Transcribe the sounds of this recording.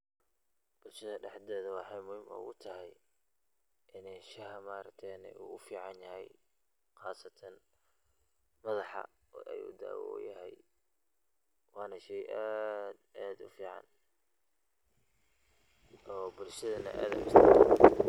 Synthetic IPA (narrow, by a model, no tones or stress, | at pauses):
b̥ʊlʃɐðɐɖɛħd̪ɛːðɐwɑħɑjmʊhɪmʊ̰ɣʊt̪ʰɐɦɛj | ʔɪnɛjʃɐhɐmaːɾɐkt̪ʰɛnɛ̰ʔṵːʊfiːʕɑnjɐhɛj | xɑːsɐt̪ʰɐn | mɐðɑħɑ̰ | ʔɛjṵd̪a̰ːwɔ̰ːjɐɦɛj | wɑːnɐʃɛjʔaːd̪ad̪ʊfiːʕɑ̰n | ʔɔːbʊlʃɐðɐnɐ̰ʔa̰ːd̪ɐmɪst̪ʰː